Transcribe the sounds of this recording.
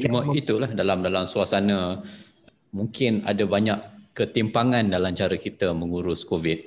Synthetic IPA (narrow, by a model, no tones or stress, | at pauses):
t͡ʃumait̪ulahdalamdalamsuasanə̃ | mũŋkɪna̰dabaɲaʔkət̪impaŋãndalamt͡ʃaɾakit̪əməŋuɾʊskovit̪̚